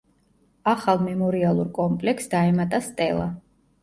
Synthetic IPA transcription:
aχalˠmɛmɔɾialˠuɾkʼɔmpʼlɛksd̪aɛmat̪ʼast̪ʼɛlˠa̰

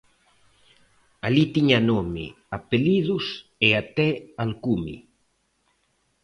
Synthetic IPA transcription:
alit̪iɲanomɪ̰ | apeliðuseat̪ɛalkumḭ

